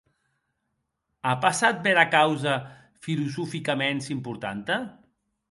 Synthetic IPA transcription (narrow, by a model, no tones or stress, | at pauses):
apasat̪̚beɾakawzə | filuzufikamensimpuɾt̪a̰nt̪ə